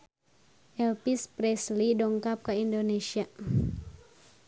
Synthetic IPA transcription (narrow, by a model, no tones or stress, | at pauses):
ʔɛlpispɾɛslidɔŋkap̚kaindonesia